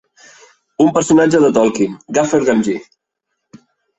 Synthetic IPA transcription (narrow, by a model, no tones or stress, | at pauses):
umpəɾsunad͡ʒəðət̪ɔlˠkimɡafeɾɣanʒi